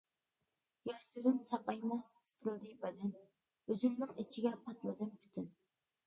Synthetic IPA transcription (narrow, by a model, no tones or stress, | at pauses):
jɑɾlyɾɪnsɑqɑjmɛst̪ʰɪ̥t̪ʰɾlˠd̪ɨbɛd̪ɪn | øzymnɪŋit͡ʃʰiɡʲɛpʰɑt̪mɨd̪ɪmpʰy̥t̪ʰyn